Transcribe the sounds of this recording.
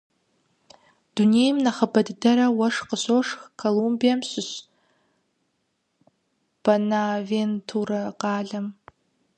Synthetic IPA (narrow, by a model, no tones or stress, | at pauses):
d̥uneːjmnɐχɐbɐdɨdɐɾɐwɐʂqəɕoːʂxkʰolumbijɐmɕɪɕ | b̥ɐnaːveːntʰurɐqɑːɮɐm